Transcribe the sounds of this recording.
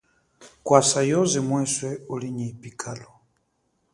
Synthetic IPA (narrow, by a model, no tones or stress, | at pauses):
kwasajɔzimwɛswɛoliɲipikʰalɔ